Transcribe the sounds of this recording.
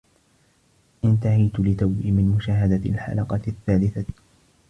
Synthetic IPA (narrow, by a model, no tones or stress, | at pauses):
ʔɪnt̪ahajt̪lɪt̪awbiːmɪnmʊʃaːɦad̪alħa̰lɑqɑθːaːlɪθa